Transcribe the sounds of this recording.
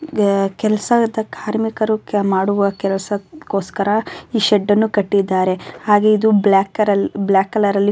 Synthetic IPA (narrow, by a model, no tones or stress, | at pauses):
kɛlɐsɐd̪ɐkʰaːɾmikɐɾumaːɽuʋɐkɛlɐsɐkoːskɐɾɐiːʃɛɖːɐnːukɐʈːid̪ːaːɾe̞haːɡe̞id̪ublaːkɐɾɐblaːkːɐlɐɾɐlːi